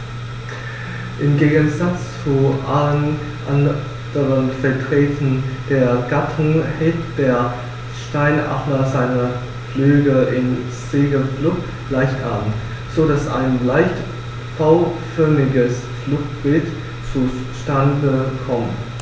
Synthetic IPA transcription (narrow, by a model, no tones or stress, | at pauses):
ʔɪmɡeːɡən̩zat͡st͡suʔalən | ʔan | d̥əʁənfɛɐtʁ̥ɛːtʰn̩d̥eːɐɡatʰʊŋhɛtd̥eːɐ | ʃtaɪnʔa̰mɐzaɪnə | flyːɡəʔɪn | z̥eːɡəflʊp | laɪçtʔabmn̩t | z̥oːdasʔa̰ɪnlaɪçt | b̥aʊfœɐmɪɡəs | flʊxt̚b̥ɪlt | t͡su | ʃtandəkʰɔmən